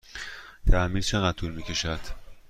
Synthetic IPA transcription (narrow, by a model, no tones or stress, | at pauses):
t̪ʰæmiːlt͡ʃʰe̞ɣæd̪t̪ʰuːlmiːcʲʰe̞ʃæd̪̥